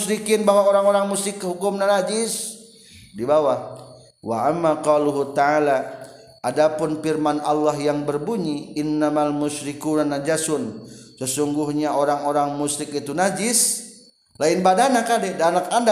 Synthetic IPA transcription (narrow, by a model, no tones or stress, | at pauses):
ʃɾikɪnbawaoɾaŋoɾaŋmusɪkːəɦukʊmnanad͡ʒɪs | dibawah | waʔamːaqɔluɦut̪aʕala | ʔadapʊnfirmanalːahjaŋbərbuɲiɪnːamalmʊʃɾikunanad͡ʒasʊnsəsuŋɡuhɲaoɾaŋoɾaŋmuʃɾɪkit̪unad͡ʒɪs | laɪnbadanakadɛdaːnakanda